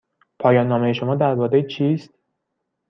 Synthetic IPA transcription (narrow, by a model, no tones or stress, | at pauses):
pʰɒːjɒːnːɒːmejeʃo̞mɒːd̪æɾbɒːd̪ejt͡ʃʰiːst̪̚